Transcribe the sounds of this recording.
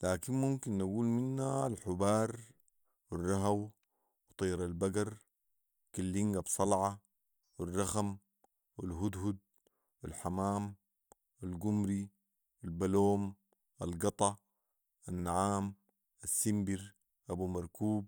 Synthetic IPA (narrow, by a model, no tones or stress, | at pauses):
laːkinmumkinʔaɡuːlminːaːlħubɑːɾˤ | wirˤːɑɦaw | wt̪ˤiːɾalbaɡɑɾˤ | kalːiŋɡabsˤɑlʕɑ | wirˤːɑxam | wilɦud̪hud̪̚ | wilħamaːm | walɡumɾi | wilbaloːm | ʔalɡɑt̪ˤɑ | ʔanːaʕaːm | ʔasːimbiɾ | ʔabumɑɾˤkuːb̚